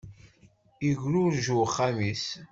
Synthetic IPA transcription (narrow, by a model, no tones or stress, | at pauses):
iʝɾʊɾʒuχːamis